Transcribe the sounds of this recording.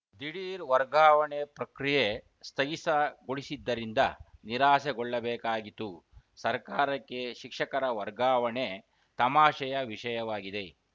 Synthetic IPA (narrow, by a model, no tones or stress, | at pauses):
d̪iɽiːɾʋɐɾɡaːʋɐɳepɾɐkɾije | st̪ʰɐɦisɐɡoɽisid̪ːɐɾind̪ɐ̰niɾaːseɡɔɭːɐbɛːkaːɡit̪ːu | sɐɾkaːɾɐkːe̞ʃikʂɐkɐɾɐʋɐɾɡaːʋɐɳe | t̪ɐmaːʃɐjɐʋiʂɐjɐʋaːɡid̪e̞